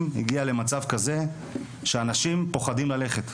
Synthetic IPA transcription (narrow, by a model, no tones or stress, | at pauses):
mhiɡiale̞mat͡savkaze̞ | ʃeanaʃimpo̞χadimlale̞χe̞t